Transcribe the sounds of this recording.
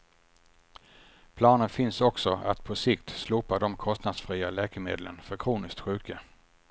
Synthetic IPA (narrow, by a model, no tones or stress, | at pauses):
pʰlɑːnənfɪnsɔksɔa̰t̪pʰɔsɪkt̪sluːpad̪ɔmkʰɔst̪nad̪sfɾiːalɛːkəmeːd̪lə̰nfœɾkʰɾuːnɪsk̚t̪ɧʉ̟ːkə